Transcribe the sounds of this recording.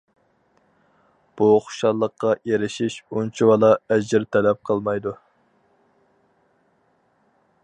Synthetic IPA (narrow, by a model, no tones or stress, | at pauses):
b̥uχʊ̥ʃɑlˠːəqːɑjeɾɪʃiʃunt͡ʃʰiwɑlˠɑɛd͡ʒɪɾt̪ʰɛlɛp̚qʰəlˠmɑjd̪u